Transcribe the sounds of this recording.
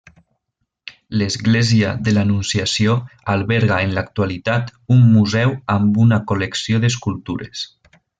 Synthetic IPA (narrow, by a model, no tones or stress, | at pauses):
lezɣlezia̰ðelanunsiasioalˠβɛɾɣaenlakt̪ualit̪at̪umːuzɛwambunakoleksioðeskulˠt̪uɾḛs